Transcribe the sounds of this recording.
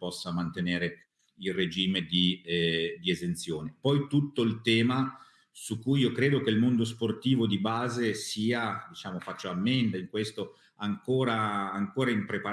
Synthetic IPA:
pɔsːamant̪eneːɾe | ilred͡ʒiːmed̪i | d̪iezent̪sjoːnepɔjt̪ut̪ːoilt̪ɛːma | sukːujiːokɾeːd̪ok̟eilmond̪os̬port̪iːvod̪ibaːzesiːad̪it͡ʃaːmofat͡ʃːoamːend̪aiŋkwest̪o | aŋkoːɾaːŋkoːɾaimpɾepa

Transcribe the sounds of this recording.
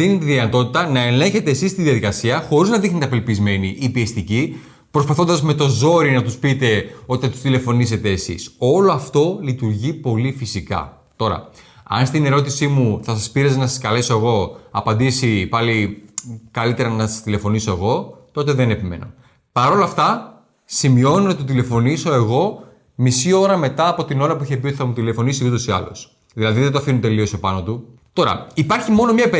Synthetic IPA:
iðinɐt̪o̞t̪it̪ɐnɐe̞le̞çe̞t̪e̞ːsist̪iðiɐðikɐsiɐxo̞ɾiznɐðixnit̪ɐpe̞lpizme̞niʔːpiest̪ici | pɾo̞spɐθo̞nd̪ɐzme̞t̪o̞zo̞ɾinɐt̪uspit̪e̞o̞t̪iɐt̪u̥st̪ile̞fo̞nise̞t̪e̞ːsḭso̞loɐft̪o̞lit̪uɾʝipo̞lifisikɐ̰ | t̪o̞ɾɐ̰ | ɐ̰nst̪ine̞ɾo̞t̪isimuθɐsɐspiɾɐznɐsɐskɐle̞so̞eɣo̞ɐpɐnd̪isipɐli | kɐlit̪e̞ɾɐnɐsɐ̥st̪ile̞fo̞niso̞e̞ɣo̞t̪o̞t̪e̞ðene̞pime̞̰no̞̰ | pɐɾo̞lɐft̪ɐ | simio̞nunɐt̪it̪ot̪ile̞fo̞niso̞e̞ɣo̞ | misio̞ɾɐme̞t̪ɐːpo̞t̪ino̞ɾɐpuiçepiot̪iθɐmut̪ile̞fonisiud̪osiɐ̰lo̰s | ðilɐðiðet̪oɐfinut̪e̞lio̞so̞pɐno̞t̪ut̪o̞ɾɐ̰ipɐɾçimo̞nomɲɐp

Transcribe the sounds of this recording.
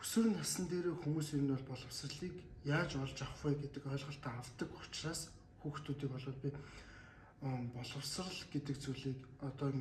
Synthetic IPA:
ɵ̥sɵ̆rɘ̆nasə̆nt̪eːɾeːxumuːseɾɘ̆nʊɮpɔɮɞ̆w̥srə̆ɮiːkjaːt͡ɕɔɮt͡ɕaχwæːɡet̪ɘ̆kœːɮʁə̆ɬt̪æːawt̪ə̆kʊ̥t͡ɕraːs | xuːxt̪ʰuːt̪iːk̚pɔɮɔːɮpʲi | pɔɮɞ̆wsrə̆ɮɡet̪ɘ̆k̚t͡suɮiːkɔt̪ɔːm

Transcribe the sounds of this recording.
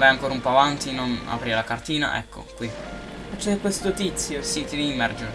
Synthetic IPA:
vajaŋkoːɾaumpɔavant̪inona̰pɾialakart̪iːna̰ʔɛ̰kːo̰kwi | fat͡ʃːɛkːwest̪ot̪it̪sjosit̪iliːmːɛrd͡ʒe

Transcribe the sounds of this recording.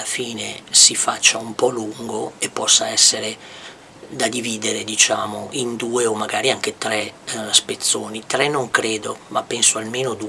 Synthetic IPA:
lafiːnesifat͡ʃːaumpɔluŋɡoepːɔsːaɛsːeɾe | d̪ad̪iviːd̪eɾed̪it͡ʃaːmoʔind̪uːeomːaɡaːɾiaŋk̟et̪ɾɛspet̪sːoːnit̪ɾɛnːoŋkɾeːd̪omapːɛnsoalmeːnod̪

